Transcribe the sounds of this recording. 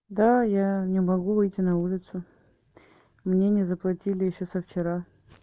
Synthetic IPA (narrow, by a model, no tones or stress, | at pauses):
d̪ajanʲɪmɐɡuvɨjtʲɪnɐulʲɪt̪sʊ | mnʲenʲɪzəplˠɐtʲilʲɪjɪɕːosəft͡ɕɪɾa